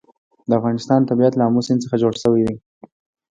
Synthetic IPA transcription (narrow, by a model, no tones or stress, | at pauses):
d̪əafɣɑnɪst̪ɑnt̪abiat̪lamusɪnt͡səxad͡ʒoɽʃəwid̪i